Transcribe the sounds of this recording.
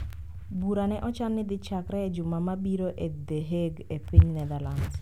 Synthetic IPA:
buɾanɛʔɔt͡ʃanːɪd̪ɪt͡ʃakɾɛed͡ʒʊmamabiɾoʔed̪eɦeɡepiɲnɛd̪aland

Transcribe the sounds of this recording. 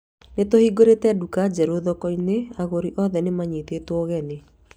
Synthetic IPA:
netohiːɡoɾetɛdukad͡ʒɛɾoðɔkɔineaɣoɾiʔɔðɛnemaɲetetwɔɣɛne

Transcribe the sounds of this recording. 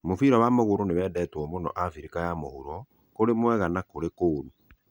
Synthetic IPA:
mofiɾɔwamoɣoɾoneβɛːdɛtwɔmonɔ̰ʔafiɾikajamohuɾɔ | koɾemwɛɣanakoɾekoːɾu

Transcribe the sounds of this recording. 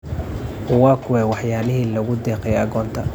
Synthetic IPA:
ʔʊwaːkʰʊwɛwɑħjaːlɪɦiːlɐɣʊd̪ɛːqɛjɐɣɔːnt̪ʰɐ

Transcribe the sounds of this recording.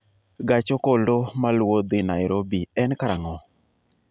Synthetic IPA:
ɡat͡ʃokoldomalwod̪ɪnaɪɾobiɛnkaɾaŋɔ

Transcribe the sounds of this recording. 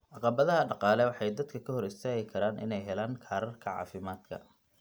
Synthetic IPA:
ʕɑqɑβɐðɐɦɐɖɑqɑːlɛwɑħɑjd̪ɐd̪kʰɐkʰɐhɔɾɪst̪ʰɛːɣɪkʰɐɾaːnʔɪ̰nɛjɦɛlaːŋkʰaːɾɐrkʰɐʕɑ̰ːfɪmaːd̪̥kʰɐ̰

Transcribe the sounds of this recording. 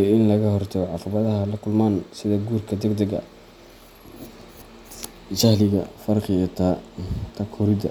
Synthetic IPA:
ɪnlɐɣɐɦɔrt̪ʰɐɣɔʕɑqɑβɐðɐɦɐlɐkʰʊlmaːnsɪðɐɡuːrkʰɐd̪ɛɡd̪ɛɡɐ̰ | t͡ʃɐhlɪɣɐ̰fɐrqɪjt̪ʰaːt̪ʰɐkʰɔːɾɪd̪ɐ̰

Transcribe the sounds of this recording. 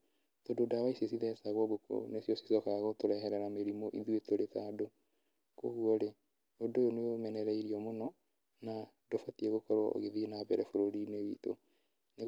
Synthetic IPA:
tododawaisesiðɛsaɣwɔɡoko̰nesijɔsi̥sɔkaɣotoɾɛɦɛɾɛɾameɾimoʔiðuetoɾetaːdo | koɣuɔɾe | odojoneomɛnɛɾɛiɾiɔmonɔ | na | dofatiɛɣokɔɾwa̰ʔo̰ɣeðienabɛɾɛfoɾoɾinewḭto̰ | ne

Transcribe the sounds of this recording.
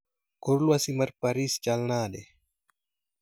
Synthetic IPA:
koɾluasimɐɾpaɾist͡ʃalnaːɗe

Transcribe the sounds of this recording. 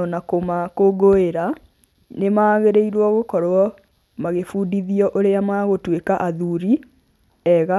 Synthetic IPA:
ɔnakomakoɡoeɾa | nemaːɣeɾeiɾwɔɣokɔɾwɔ | maɣefuːdiðiɔʔoɾeamaɣotwekaʔaðuɾi | ɛɣa

